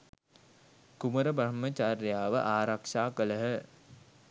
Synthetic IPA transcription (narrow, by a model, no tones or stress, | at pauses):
kuməɾəbaɾmət͡ʃarjaːʋəʔaːɾakʂaːkələɦə